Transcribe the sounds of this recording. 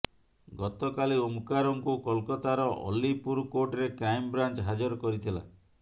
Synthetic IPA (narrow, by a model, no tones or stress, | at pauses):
ɡɔt̪ɔkaliomukaɾoŋkukɔlkɔt̪aɾɔʔɔ̰lːipuɾkoʈɔɾekɾajmbɾant͡ʃɦad͡ʒɔɾɔkɔɾit̪ʰila̰